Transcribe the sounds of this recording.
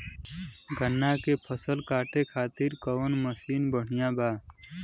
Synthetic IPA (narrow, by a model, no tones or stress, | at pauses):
ɡʱənːakepʰəsəlkaːʈekʰaːt̪iɾkəʋnməsiːnbəɽ̤ijãbaː